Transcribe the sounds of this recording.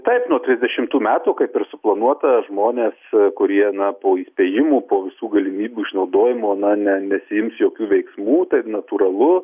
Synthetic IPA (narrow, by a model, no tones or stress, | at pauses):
t̪ɐɪpnuɔt̪ʲɾʲɪzʲd̪ʲɛʃʲɪmt̪uːmʲæːt̪uːkɐɪpɪrsʊplˠɐnuɔt̪ɐʒmoːnʲeːskʊɾʲiɛnɐpoːiːsʲpʲeːjɪmuːpoːʋʲɪsuːɡɐlʲɪmʲiːbʲuːɪʃnɐʊd̪oːjɪmoːnɐnʲɛnʲɛsʲɪjɪmsjoːkʲuːʋʲɛɪksmuːt̪ɐɪnɐt̪uːɾɐlˠʊ